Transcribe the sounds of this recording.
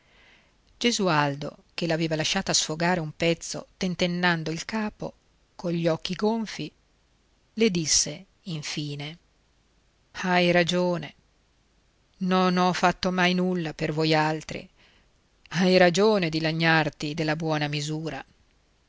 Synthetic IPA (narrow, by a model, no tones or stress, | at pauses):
d͡ʒezuald̪o̰kelaveːvalaʃːaːt̪asfoɡaːɾeumpɛt̪sːo̰t̪ent̪enːand̪oilkaːpo̰ | koɲʎːɔk̟ːiɡoɱfi | led̪isːe | iɱfiːne | ajɾad͡ʒoːne | nonɔfːat̪ːomajnulːapervojalt̪ɾḭ | ajɾad͡ʒoːned̪ilaɲːart̪id̪elːabwɔːnamizuːɾa